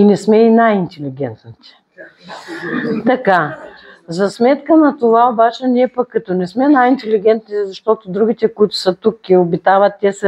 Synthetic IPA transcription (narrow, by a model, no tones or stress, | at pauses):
inɛsmɛinajint̪ʲɛliɡʲɛ̰nt̪nət̪ʲɛ̥ | t̪ɐka | zɐsmɛt̪kənɐt̪ovaobat͡ʃɛnʲiɛpɐkːɐt̪ɔnɛsmɛnajint̪ɛliɡʲɛnt̪nizɐʃt̪ot̪ʊd̪ɾuɡ̟ʲit̪ɛkʊit̪ʊ̥sət̪ukːiobit̪avɐt̪ːʲɛs